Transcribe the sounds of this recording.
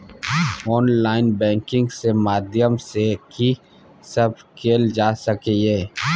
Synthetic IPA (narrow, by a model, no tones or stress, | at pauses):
ɔːnlaːɪnbɛ̃ːŋkɪ̃ŋɡsemaːd̪jəmseki | səbkʰeːld͡ʒaːsəkejeː